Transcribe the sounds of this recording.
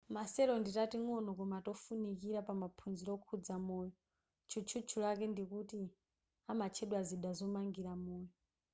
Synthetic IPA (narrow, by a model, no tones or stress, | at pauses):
masɛɾɔnditatiŋɔnɔkɔmatɔfunikiɾapamapʰunziɾɔkʰud͡zamɔːjɔ | t͡ʃʰut͡ʃʰut͡ʃʰulakɛndikuti | amat͡ʃʰɛɗwaziɗazɔmaŋɡiɾamɔːjɔ